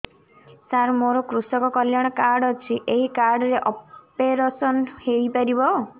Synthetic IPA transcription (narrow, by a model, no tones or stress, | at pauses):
saɾmoɾɔkɾusɔkɔkɔljaɽ̃ɔkaɾɽɔt͡ʃʰiʔeɦikaɾɽɔɾeʔɔpeɾasɔnhejpaɾibɔ